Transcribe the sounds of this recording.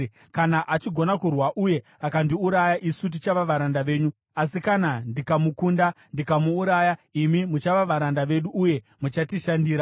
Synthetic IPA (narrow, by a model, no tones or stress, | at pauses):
kanaʔat͡ʃiɡʱo̞nakurwaʔuje̞ | akandiuɾajaʔisut̬it͡ʃaʋaʋaɾandaʋe̞ːɲu | asikanandikamukundandikamuːɾajaimimut͡ʃaʋaʋaɾandaʋe̞ɗuːje̞ | mut͡ʃatiʃandiːɾa